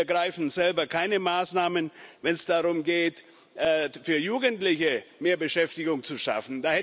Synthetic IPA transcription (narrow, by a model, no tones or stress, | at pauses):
ɐɡʁaɪfn̩zɛlbɐkʰaɪnəmaːsnaːmənvɛnsd̥aʁʊmɡeːt | ʔːfyːɐjuːɡəntlɪçəmeːɐbəʃɛftɪɡʊŋt͡suʃa̰fn̩daːhɛ